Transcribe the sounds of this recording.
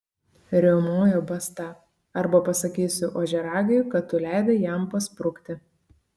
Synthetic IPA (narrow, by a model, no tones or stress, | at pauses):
ɾʲɛʊmoːjobɐst̪ɑː | ɐɾbɐpɐsɐkʲiːsʲʊʔoːʒʲɛɾɑːɡʲɛjʊkɐt̪ːʊlʲæˑɪd̪ʲeːjɛˑmpɐspɾʊkt̪ʲɪ